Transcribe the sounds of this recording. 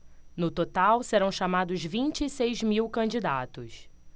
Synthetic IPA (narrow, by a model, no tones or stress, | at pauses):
nʊt̪ot̪awseɾɐ̃w̃ʃamad̪ʊzvĩnt͡ʃɪisejzmiwkɐ̃d͡ʒid̪at̪ʊs